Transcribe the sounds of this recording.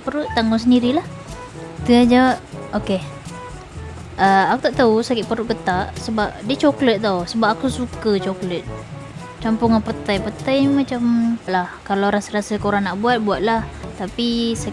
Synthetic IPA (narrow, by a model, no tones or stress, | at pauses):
pəɾuʔt̪aŋʊŋs̬əndiɾilah | t̪əd͡ʒawʔoke | ʔəakut̪aʔt̪ausakɪʔpəɾuʔkət̪aʔsəbap̚diət͡ʃoklət̪̚t̪awsəbap̚akusukət͡ʃoklət̪̚ | t͡ʃampʊŋapət̪ajpət̪ajmat͡ʃamʔlahkalawɾasəɾasəkoɾaŋnaʔbuat̪̚buat̪̚laht̪apisa